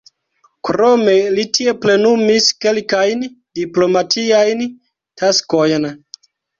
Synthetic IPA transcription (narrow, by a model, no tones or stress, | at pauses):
kɾo̞me̞litie̞ple̞numiske̞lkajn | diplo̞matʰiajn | tʰasko̞jn